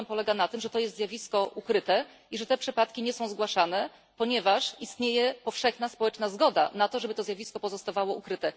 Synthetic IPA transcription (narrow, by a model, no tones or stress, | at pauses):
mpɔlɛɡanat̪ɘmʐɛt̪ɔjɛst̪zjavʲiskɔʔukɾɘt̪ɛ | iʐɛt̪ɛpʂɘpat̪kʲiɲɛsɔ̃w̃zɡwaʂanɛ | pɔɲɛvaʂist̪ɲejɛpɔfʂɛxnaspɔwɛt͡ʂnazɡɔd̪a̰nat̪ɔʐɛbɘt̪ɔzjavʲiskɔpɔzɔst̪avawɔukɾɘt̪ɛ